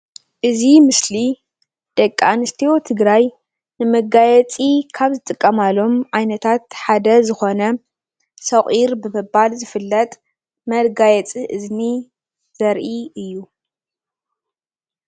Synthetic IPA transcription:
ʔɨzimɨsli | d̪̥ɐkʼːa̰nɨst̪ʰiwo̞t̪ʰɨɡɾaj | nɨmɐɡajɛt͡sʼikʰaβzɨt̪ʼɨkʼːɐmalo̞mʕajnɐt̪ʰat̪ħad̪ɐzɨxo̞nɐ | sɐχʼiɾbɨmɨbalzɨfɨlːɐt̪ʼ | mɐlɡajɛt͡sʼiʔɨzni | z̥ɐɾʔiɨjːu

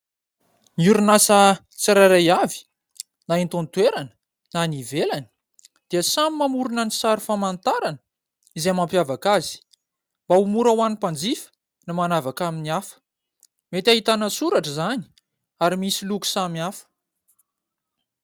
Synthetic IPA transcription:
nuɾunasə | t͡siɾaɾajavi̥ | naint̪ont̪weɾanə̥ | nanivelani̥ | d̪̥iəsamimamuɾunənisaɾufamant̪aɾanə | izemampjavakazi̥ | mbaumuɾawanipand͡zifə̥ | namanavakaminiafə̥ | met̪ʲaɦit̪anəsuɾaʈ͡ʂəzani̥ | aɾimisiluku̥samiafə̥

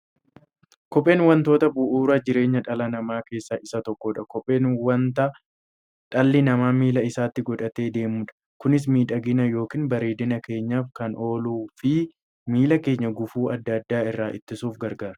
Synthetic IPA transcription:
kɔpʼːe̞ːnwɐnt̪o̞ːt̪ɐbʊʔuːɾɐd͡ʒɪɾe̞ːɲːɐᶑɐlɐnɐmaːke̞ːsːɐʔɪsːɐt̪ɔkːoːᶑɐkɔpʼeːnwɐnt̪ɐ | ᶑɐlːɪnɐmaːmiːlɐɪsaːt̪ːɪɡɔᶑɐt̪e̞ːd̪e̞ːmuːᶑɐ̥ | kʊnɪs̬miːᶑɐɡɪnɐjo̞ːkiːnbɐɾeːd̪ɪnɐke̞ːɲːaːfkɐnʔo̞ːluːfɪ | miːlɐke̞ːɲːɐɡʊfuːʔɐd̪ːɐd̪ːaːɪrːaːʔɪt̪ːɪsuːfɡɐɾɡaːɾɐ̥

